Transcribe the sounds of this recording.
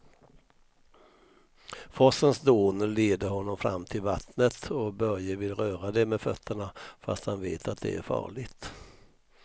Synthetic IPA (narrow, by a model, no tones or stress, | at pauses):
fɔsənsd̪oːnəleːd̪əɾhɔnːɔmfɾa̰mːt̪ʰɪlva̰t̪nət̪ʰɔbœɾjəvɪlːɾœːɾad̪ɛmɛfœt̪ʰːəɳafa̰st̪hanveːt̪ʰat̪̚d̪ɛ̰æ̰ɾfɑ̰ːɭɪɡt̪